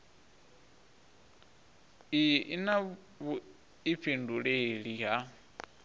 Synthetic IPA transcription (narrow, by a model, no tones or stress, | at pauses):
iʔina | βu | ip̪fʰinduɺeɺiɦa